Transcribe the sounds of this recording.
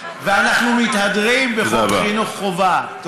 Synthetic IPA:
veanaχnumit̪hadʁimbeχoχinuχːova

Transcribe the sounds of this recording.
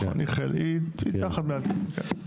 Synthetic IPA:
a̰niχelʔit̪mit̪aχat̪mealtkḛ

